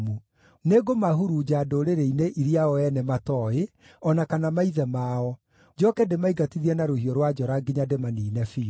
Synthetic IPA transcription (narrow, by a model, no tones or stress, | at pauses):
mu | neɡomaɦuɾud͡ʒaːdoɾeɾeineʔiɾiaɔɛnɛmatɔe | ɔnakanamaiðɛmaɔ | d͡ʒɔkɛdemaiɡatiðiɛnaɾohiɔɾwad͡ʒɔɾaɡeɲademaniːnɛfi